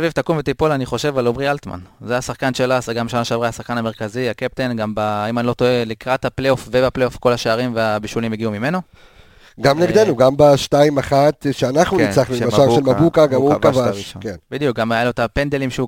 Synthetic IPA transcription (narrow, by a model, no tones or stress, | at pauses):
svivt̪akumvetipolaniχo̞ʃe̞valomʁialt̪ma̰nzeasaχkanʃelaseɡamʃanaʃeavʁejasaχkaname̞ʁkazihakep̚t̪enɡambaimanlo̞toelikʁat̪hapleofvebaplejo̞fko̞laʃeaʁimveabiʃulimjeɡiumime̞no̞ | ɡamleɡdenuɡambaʃtaimaχat̪ʃeanaχnuit͡saχnuimaaʁʃelmabukaɡamvavaiʃokenbid̪ijuk̚ɡamealot̪apend̪elimʃeu